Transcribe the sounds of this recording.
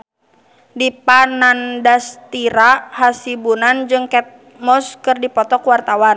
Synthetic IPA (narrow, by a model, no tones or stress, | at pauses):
dipanandast̪iɾahasibunand͡ʒɨŋkɛt̪̚ | mɔskɨrdipɔt̪ɔkwart̪awan